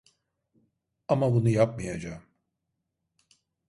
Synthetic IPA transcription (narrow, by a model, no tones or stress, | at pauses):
amabunujap̚mijad͡ʒaːm